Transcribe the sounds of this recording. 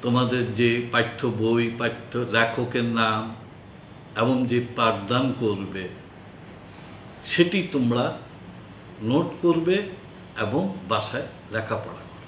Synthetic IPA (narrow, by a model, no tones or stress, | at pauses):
t̪omad̪eɾd͡ʑepajt̪ʰːobojpajt̪ʰːolɛkʰokeɾnam | eboŋd͡ʑepɾaɾd̪ankoɾbe | ʃeʈit̪omɾa | noʈkoɾbe | eboŋbaʃae | ɾɛkʰapɔ̰ɽa̰